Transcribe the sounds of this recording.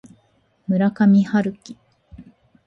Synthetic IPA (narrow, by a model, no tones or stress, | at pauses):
mɯ̟ɾakamʲihaɾɯ̟kʲːi̥